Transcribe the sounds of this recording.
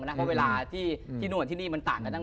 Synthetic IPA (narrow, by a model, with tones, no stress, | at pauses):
na˦˥pʰɔ˦˥weː˧laː˧t̪ʰiː˥˩t̪ʰiː˥˩nu˧˩ət̪ʰiː˥˩niː˥˩ma˧nt̪aː˨˩ŋka˧t̪ʰa˥˩